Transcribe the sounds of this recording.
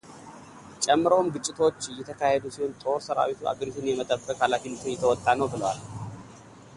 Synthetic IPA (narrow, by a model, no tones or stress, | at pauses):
t͡ʃʼɛmːɨɾowmɡɨt͡ʃʼːɪt̪ʰo̞t͡ʃːjːɛt̪ʰəkʰahed̪usiho̞nt̪ʼo̞ɾsəɾa̰wit̪ʰuʔa̰ɡəɾit̪ʰɨnjɛmət̪ʼəbːəkʼhalafinɨt̪ʰɨnjɛt̪ʰəwɔt̪ʼːanəwbɨləwal